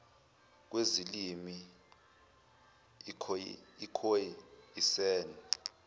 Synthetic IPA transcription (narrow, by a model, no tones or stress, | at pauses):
k̬wezilimi | ikʰojiisɛːnɛ